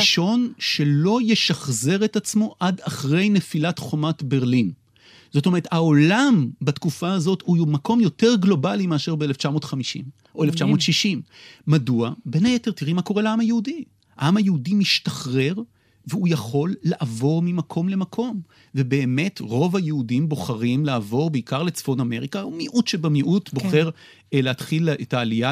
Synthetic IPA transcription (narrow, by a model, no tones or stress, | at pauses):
ʃo̞nʃe̞lo̞jeʃaχze̞ʁetat͡smo̞ʔadaχʁe̞jne̞filatχo̞matbe̞ʁlin | z̥ot̬ome̞ethao̞lambatkufaazo̞thujomako̞mjo̞te̞ʁɡlo̞balimeaʃeʁbeeleft͡ʃamo̞ːtχamiʃḭm | ʔoeleft͡ʃamo̞ːtʃiʃimːaduabenajete̞ʁtiʁimako̞ʁeleamajeudi | aamhajeudimiʃtaχʁe̞ʁ | veujaχo̞lːaʔavo̞ʁmimakʰo̞mle̞makʰo̞m | ve̞be̞ːme̞tʁo̞vajeudimbo̞χaʁimlaːvo̞ʁbeikaʁle̞t͡sfo̞name̞ʁikaumiʔutʃebemiʔutboχe̞ʁ | eleatχiletaːlija